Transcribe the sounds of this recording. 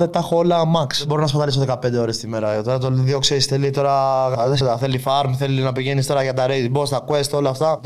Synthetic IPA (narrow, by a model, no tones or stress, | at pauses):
t̪et̪ɐxolɐmɐksbo̞ɾinɐspɐt̪ɐlisoðe̞kɐpend̪eo̞ɾe̞st̪ime̞ɾɐt̪o̞ɾɐt̪onðjo̞ksesθe̞lit̪o̞ɾɐɐsɐθe̞lifɐɾmθelinɐpiʝenist̪o̞ɾɐʝɐt̪ɐɾebost̪ɐkest̪o̞lɐːft̪ɐ